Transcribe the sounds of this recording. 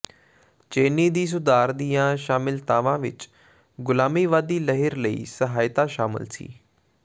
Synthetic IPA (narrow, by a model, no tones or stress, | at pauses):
t͡ʃeːniːd̪iːs̬ʊd̪aːɾd̪iːãːʃaːmɪlt̪aːʋãːʋɪ̰t͡ʃ | ɡʊlaːmiːʋaːd̪iːləɦɪɾləḭːsəɦaːɪt̪aːʃaːmɪ̰lsḭː